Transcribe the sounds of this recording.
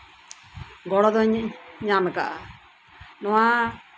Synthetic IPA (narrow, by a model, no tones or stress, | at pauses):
ɡɔɽɔd̪ɔɲɲamka̰ʔa | nɔwa